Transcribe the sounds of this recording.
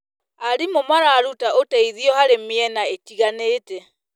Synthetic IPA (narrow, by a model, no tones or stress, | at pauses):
aɾimomaɾaːɾutaʔotaiðiɔhaɾemeɛnaetiɣaneːtɛ